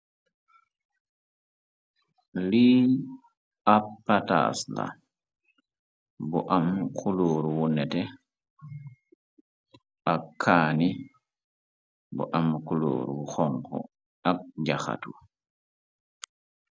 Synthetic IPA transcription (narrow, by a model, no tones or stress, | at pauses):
li | apːata̰sla̰ | buʔamkʰuloːɾwunɛtɛ | ʔakʰːaːni | bṵʔamkulo̰ːɾwuxɔŋkɔ̰ | ak̚ɟaxa̰tu